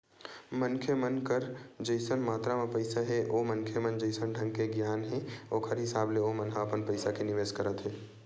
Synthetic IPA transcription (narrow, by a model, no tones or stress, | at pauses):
mənkʰjəmənkəɾd͡ʒəɪsənmaːt̪ɾamãpəɪsaɦɛʔoːmənkʰjəmənd͡ʒəɪsənɖʱə̃ŋɡkeɡjaːnɦɛ̃oːkʰəɾɦɪsaːbleomənɦaəpənpəɪsakenɪʋeːskəɾət̪ɦɛː